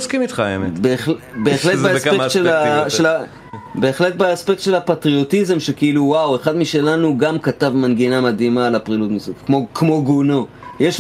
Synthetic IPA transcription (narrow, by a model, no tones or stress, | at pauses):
skimit̪χajḛmḛbeːχlbeːχletbasektʃelaʃela | be̞ːχle̞t̪̚baːspek̚t̪ʃe̞lapat̪ʁio̞tize̞mʃekeiluwaweχad̪miʃe̞lanuɡamkat̪avmanɡinamad̪imaːlapʁilut̪misukmokmo̞ɡuno̞ | jeʃ